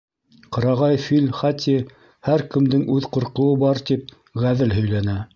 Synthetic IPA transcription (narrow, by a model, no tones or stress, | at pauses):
qɤ̆ɾɑʁɑjfilʲχɑt̪ʲʰi | hæɾkɘ̆md̪ɘŋʔʉðqŏɾqɤ̆wɤbɑɾt̪ip̚ | ʁæðɘlɦɵ̆jlænæ